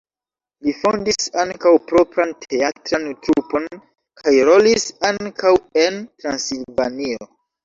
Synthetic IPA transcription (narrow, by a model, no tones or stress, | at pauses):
lifondisaŋkawpɾo̞pɾantʰe̞atɾantɾupo̞n | kʰajɾo̞lisaŋkawe̞ntɾansilvanio